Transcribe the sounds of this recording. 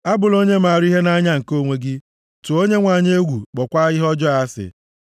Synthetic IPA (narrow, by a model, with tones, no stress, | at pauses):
a˦bʊ˨lo˦ɲe˦ma˨ɾi˦ɦe˦na˦ɲa˦ŋ̩˨ko˦˨ŋʷe˨ɡɪ˦ | tu˨o˦ɲe˦ŋʷa˨ɲ˦e˦ɡʷu˨k͡pɔ˨kʷa˦ɣɪ˦ɦɔ˦d͡ʒɔ˦a˨˦sɪ̰˨